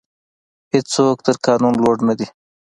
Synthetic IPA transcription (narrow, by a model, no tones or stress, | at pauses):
hɪt͡sok̚t̪əɾkɑːnunloɖnad̪i